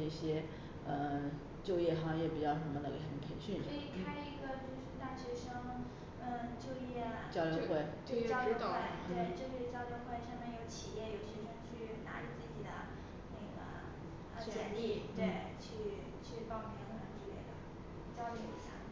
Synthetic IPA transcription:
ɤ˥˩ɕjɛ˥ | ə˧ | t͡ɕjo˥˧ʊjɛ˥˩xɑ˧˥ŋjɛ˥˩pi˨˩t͡ɕjɑ˥˩ʊʂə˧˥mə˧nə˨˩˧xə˧˥npʰe˧˥ɪɕy˥˧n˥˩i˧˩kʰa˥ɪlə˧˩i˧˥ɡə˧t͡ɕjo˥˧ʊʂ̩˥t̪a˥˩ɕɥɛ˧˥ʂɤ˥ŋ | ə˥˧t͡ɕjo˥˧ʊjɛ˥˩t͡ɕjɑ˥ʊljo˨˧˥xwe˥˩ɪ | o˥˧t͡ɕɑ˥ʊo˧˥˧xwe˥˩ɪt̪we˥˩˧ɪʈ͡ʂɤ˥˧ʊɕe˥˩t͡ɕjɑ˥ʊljo˧˥ʊxwe˥˧ɪʂɑ˥˧mɛ˥˩njo˨˧˩ʊt͡ɕʰi˨˩jɛ˥˩jo˨˩ʊɕɥɛ˧˥ʂɤ˥ŋt͡ɕʰy˥˩na̰˧˥ʈ͡ʂə˧t͡sɹ̩˥˩t͡ɕi˨˩d̪ə̰˦ | na˥˩ɡə̰˩ | ə˧˥ɛ˧˥nli˥˩t̪we˥˩ɪ | t͡ɕʰy˥˩ | t͡ɕʰy˥˧pɑ˥˩ŋpʰjɛ˧˥ŋ˧xə˧˩t̪i˥˧we˥˩ɪd̪ə̰˨˩ | t͡ɕjɑ˥ʊljo˧˩ʊḭ˧˥ɕja̰˥˩

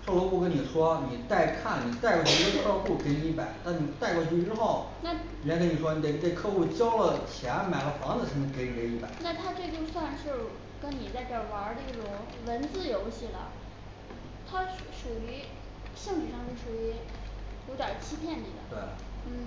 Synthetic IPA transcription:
ʈ͡ʂɤ˥˩lɔ˧˥pu˥˩k̬ə˥ni˨˩ʂwɔ˥ni˨˩t̪a˥˧ɪkʰa˥˩nni˨˩t̪a˥˧ɪkwɔ˧˩t͡ɕʰy˥˧˥o˥˧˩ɑ˥˧pu˥˩ke˧˥ɪni˧i˧˥˩pa˨˩˦ɪt̪a˥˩nni˨˩t̪a˥˧ɪkwɔ˥˧t͡ɕʰy˥˧ʈ͡ʂɻ̩˥xo˥˩ʊ | na˥˧˨kə˥ni˨˩ʂwɔ˥ni˨˧˩e˥˩˥t̪̬e˥˧ɪkʰɤ˥˧u˥˩t͡ɕjɑ˥ʊlə˨t͡ɕʰjɛ˧˥nma˨˩ɪlə˧˦fɑ˧˥ŋd͡z̩˥˨˩ʈ͡ʂʰɤ˧˥ŋt͡ɕʰi˥ke˧˥ɪni˨˩ke˧˥ɪni˧˥pa̰˨˩˦na˥˧t̪ʰa˥ʈ͡ʂɤ˥˧t͡ɕjo˥˧ʊswa˥˧nʂɻ̩˥˩ | kə˥nni˨˩t͡sa˥˧ɪpɑ˥˩wɑ˧˥ə˧˥d̪ə˧i˥˩ʈ͡ʂʊ˧˨˩ŋ | wə˧˥nt͡sɹ̩˥˩jo˧˥ʊɕi˥˩lə̰˩ | t̪ʰa˥˧ʂu˨˩y˧˥ | ɕɤ˥˧ŋti˨˩ʂɑ˥˧ŋt͡ɕo˥˩ʂu˨˩y˧˥u˧˥t̪jɑ˨˩t͡ɕʰi˥pʰjɛ˥˩nḭ˨˩d̪ə̰˦t̪we˥˩ɪə̰˩n̩˥˩

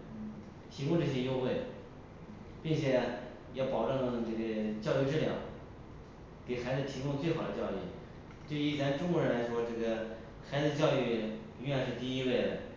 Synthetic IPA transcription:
t̪ʰi˧˥kʊ˥˧ʈ͡ʂɤ˥˩ɕ̬jɛ˥˧jo˥ʊxwe˥˩ɪ | pi˥˩ŋt͡ɕʰjɛ˨˩˧ | jɑ˥˩ʊpɑ˨˩ʊʈ͡ʂɤ˥˧ŋ˥˧ʈ͡ʂɤ˥˩ɡə˩t͡ɕjɑ˥˧ʊy˥˧ʈ͡ʂɻ̩˥˩ljɑ̰˥˩ʊ | ke˨˩ɪxa˧˥ɪd͡zɹ̩˥˩t̪ʰi˧˥kʊ˥˧ŋt͡swe˥˩ɪxɑ˨˩ʊd̪ə˦t͡ɕjɑ˥˧ʊy˥˩ | t̪we˥˩ɪy˧˥t͡sa˧˥nʈ͡ʂʊ˥ŋkwɔ˧˥ɻə˧˥nla˧˥ɪʂwɔ˥ʈ͡ʂɤ˥˩ɡə˩ | xa˧˥t͡s̩˧t͡ɕjɑ˥˧ʊy˥˩ | y˧˥jɛ˧nʂɻ̩˥˧t̪i˥˧i˥we˥˩ɪdə˩

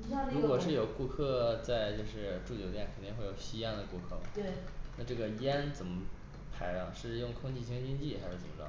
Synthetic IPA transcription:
ɻu˥kkwɔ˨˩ʂɻ̩˥˩jo˨˩ʊku˥˧kʰɤ˥˧t͡sa˥˧ɪt͡ɕjo˥˧ʊʂɻ̩˥˧ʈ͡ʂu˥˩t͡ɕjo˨˩ʊt̪jɛ˥˩nkʰə˨˩nt̪i˥˧ŋxwjo˨˩ʊɕi˥jɛ˥nd̪ə˨ku˥˧kʰɤ˥˩mɐ̰˩e˥˩ | na˥˧ʈ͡ʂɤ˥˩ɡə˩jɛ˥nt͡sə˨˩nmə˦ | pʰa˧˥ɪɐ˧ʂɻ̩˥˩jʊ˥˧ŋkʰʊ˥˧ŋt͡ɕi˥˩t͡ɕʰi˥ŋt͡ɕi˥ŋt͡ɕi˥˩xa˧˥ʂɻ̩˥˩ə˨˧˩mə˧ʈ͡ʂɑ̰˥

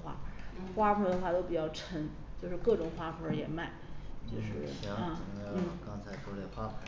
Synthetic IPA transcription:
xwa̰˥˩xwa˥fʰɔ˧˥d̪ə˧xwa˥˩t̪o˥ʊpi˨˩t͡ɕjɑ˥˩ʊʈ͡ʂʰə˧˥n | t͡ɕjo˥˧ʊʂɻ̩˥˧kɤ˥˩ʈ͡ʂʊ˨˩ŋxwa˥fʰɔ˧˥jɛ˨˩ma˥˩ɪt͡ɕjo˥˧ʊʂɻ̩˥˩ɕɐ˥˧˨n̩˥˩kɑ˥ŋt͡sʰa˧˥ɪfʰɔ˧˥lɛ˨˩xwa˥˩

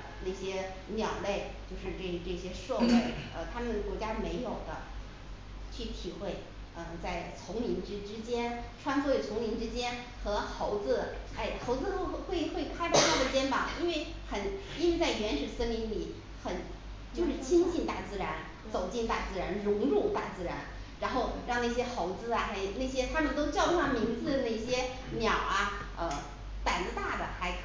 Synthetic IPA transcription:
na˥˩ɕjɛ˥ | njɑ˨˩ʊle˥˧ɪt͡ɕjo˥˧ʊʂɻ̩˥˧ʈ͡ʂɤ˥˩˧ʈ͡ʂɤ˥˩ɕjɛ˥ʂwɔ˥˧we˥˩ɪə̰˧t̪ʰa˥mə˨n˩kwɔ˧˥t͡ɕja˥me˧˥ɪjo˨˩ʊd̪ə˦ | t͡ɕʰy˥˩t̪ʰi˨˩xwe˥˩ɪ | ə˧˩t͡sa˥˩ɪt͡sʰʊ˧˥ŋmi˧˥ŋʈ͡ʂɻ̩˥ʈ͡ʂɻ̩˥t͡ɕjɛ˥nʈ͡ʂʰwa˥nsʰɔ˥je˥˩t͡sʰʊ˧˥ŋmi˧˥nʈ͡ʂɻ̩˥t͡ɕjɛ˥n | xɤ˧˥xo˧˥ʊt͡sɹ̩˥˧˩a˥˩ɪxo˧˥ʊt͡sɹ̩˥˧o˥xwe˥˩ɪxwe˥˩ɪkʰa˥ɪʈ͡ʂɑ˥˧t̪ʰa˥ə˨t͡ɕjɛ˥nfɑ˨˩˦ŋi˥nwe˥˩ɪ | xə˨˩n | i˥nwe˥˧ɪt͡sa˥˩ɪɥɛ˧˥nʂɻ̩˨˩sə˥nli˧˥nli˨˩˦ | xə˨˩˦n | t͡ɕjo˥˧ʊʂɻ̩˥˩t͡ɕʰi˥ŋt͡ɕi˥˧nt̪a˥˩t͡sɹ̩˥˩ɻa˧˥n | t͡so˨˩ʊt͡ɕi˥˧nt̪a˥˩t͡sɹ̩˥˧ɻa˧˥nɻʊ˧˥ŋɻʊ˥˩ŋt̪a˥˩t͡sɹ̩˥˩ɻa̰˧˥n | ɻa˧˥nxo˥˧ʊɻɑ˥˧ŋna˥˩ɕjɛ˥xo˧˥ʊt͡sɹ̩˥˧ɐ˩xa˥˧˨na˥˩ɪɕ̬jɛ˥t̪ʰa˥ʈ͡ʂŋ˥t̪o˥ʊt͡ɕjɑ˥˧ʊka˥˩mi˧˥ŋd͡zɹ̩˧d̪ə˨˩na˥˩ɪɕjɛ˥ | njɑ˨˩ʊɐ˧ | ə˧ | t̪a˨˩nt͡sɹ̩˧˥t̪a˥˩d̪ə˩xa˧˥ɪ

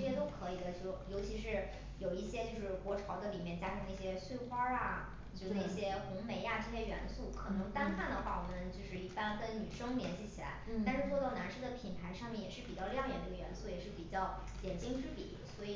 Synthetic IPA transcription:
ɕjɛ˥t̪o˥ʊkʰɤ˧˥i˨˩d̪ə˦t͡ɕjo˥˩ʊjo˧˥ʊt͡ɕʰi˧˥ʂɻ̩˥˩ | jo˨˩ʊi˥˩ɕjɛ˥t͡ɕjo˥˧ʂɻ̩˥˩kwɔ˧˥ʈ͡ʂʰɑ˧˥ʊd̪ə˧li˨˩mjɛ˥˩nt͡ɕja˥ʈ͡ʂʰɤ˧˥ŋna˥˩ɕjɛ˥swe˥˩ɪxwɑ˥a˨˩ | t͡ɕjo˥˧na˥˩ɕjɛ˥xʊ˧˥ŋme˧˥ɪa˧ʈ͡ʂɤ˥˧ɕjɛ˥ɥɛ̰˧˥nsu˥˩kʰɤ˨˩nɤ˧˥ŋt̪a˥nxʰa˥˩nd̪ə˩xwa˥˩wɔ˨˩mə˦nt͡ɕjo˥˧ʊʂɻ̩˥˩i˥˩pa˥nkə˥nny˨˩ʂɤ˥ŋljɛ˧˥nɕi˧˥t͡ɕʰi˨˩la̰˧˥ɪa˥˧nʂɻ̩˥˧t͡swɔ˥˧t̪ɑ˥˩ʊna˧˥nʂɻ̩˥˩d̪ə˨pʰi˨˩nt̪ʰa˧˥ɪʂɑ˥˧ŋmjɛ˥˩njɛ˨˩ʂɻ̩˥˩pi˨˩t͡ɕjɑ˥˧ljɑ˥˩ŋjɛ̰˨˩d̪ə˩˧˥ɡə˧˩ɥɛ˧˥nsu˥˩jɛ˨˩ʂɻ̩˥˩pi˨˩t͡ɕjɑ˥˩ʊ | t̪jɛ˨˩nt͡ɕi˥ŋʈ͡ʂɻ̩˥pḭ˨˩˦swɔ˧˥i˨˩

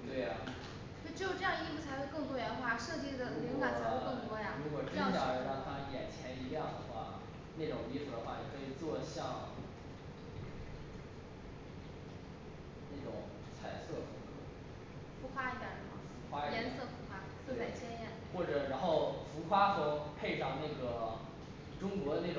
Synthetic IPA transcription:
t̪we˥˩ɪɐ̰˩˥˩ | ʈ͡ʂ̩˥˩jo˨˩ʈ͡ʂɤ˥˧jɑ˥˧ŋi˥˧˩fu˨˩t͡sʰxwe˥˧kɤ˥˧ŋt̪wɔ˥ɥɛ˧˥nxwa˥˩ʂɤ˥˧t͡ɕi˥˩d̪ə˩li˧˥ŋka˨˩t͡sʰa˧˥xo˥˧kɤ˥˩ŋt̪wɔ˥ja˧ɻu˧˥kwɔ˨˩ʈ͡ʂi˥t͡ɕjɑ˥˩˧ə˧˥nɑ˥˩t̪ɑ˥ŋjɛ̰˨˩nt͡ɕʰjɛ˧˥ni˧˥ljɑ˥˩ŋd̪ə˩xwa̰˥˩ | na˥˩ʈ͡ʂʊ˨˩ŋi˥˧fu˨˩d̪ə˩xwa˥˩jɛ˨˩kʰɤ˧˥i˨˩t͡swɔ˥˧ɕjɑ˥˧ŋ | na˥˩ɪʈ͡ʂʊ̰˨˩ŋ | t͡sʰa˨˩ɪsɤ˥˩fu˧˥kɤ̰˧˥ | fu˧˥xwa˥i˧˥˩t̪jə̰˨˩˧m̰˥˩fu˧˥xwa˥i˥˩jɛ˧˨˥nsɤ˥˩fu˧˥xʰwa˥t̪t͡ɕʰjɛ˥njɛ˥˩nxwɔ˥˩ʈ͡ʂɤ˨˩ɻa˧˥nxo˥˩ʊfu˧˥xʰwa˥xə˧˥pʰe˥˧ɪʂɑ˥˧ŋna˥˩ɡə˩ | ʈ͡ʂʊ˥ŋkwɔ˧˥˧na˥˩ʈ͡ʂʊ˨˩

